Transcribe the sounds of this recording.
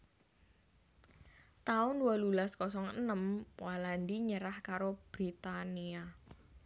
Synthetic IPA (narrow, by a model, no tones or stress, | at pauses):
t̪aʊnualulaskɔs̬ɔŋənəmwaland̪iɲəɾahkaɾob̥ɾit̪ania